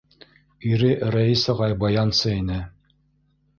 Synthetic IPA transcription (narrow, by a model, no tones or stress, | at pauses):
iɾɘɾæisɑʁɑjbɑjɑnsɤinɘ